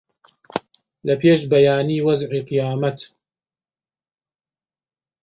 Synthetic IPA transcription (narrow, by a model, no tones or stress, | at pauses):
lɐpʰeːʃbɐjaːniːwɐzʕiːqɨjaːmɐt̪